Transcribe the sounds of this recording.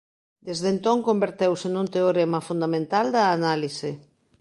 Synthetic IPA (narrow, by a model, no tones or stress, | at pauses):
d̪ezðent̪oŋkombeɾt̪ewsenũnt̪eoɾemɐfund̪amẽnt̪ald̪ɐːnalise